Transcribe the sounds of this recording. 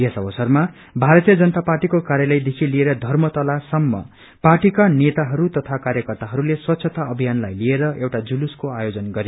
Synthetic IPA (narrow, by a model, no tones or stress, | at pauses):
esʌbʌsʌrma | bʱaɾʌt̪ijʌd͡zʌnʌt̪aparʈikokaɾjalʌjd̪ekʰilieɾʌd̪ʱʌrmʌt̪ʌlasʌmːʌ̰ | parʈikanet̪aɦʌɾut̪ʌt̪ʰakaɾjʌkʌrt̪aɦʌɾuleswʌt̪ːsʰʌt̪aʌbʱijanlajlieɾʌewʈad͡zuluskoajod͡zʌnɡʌɾe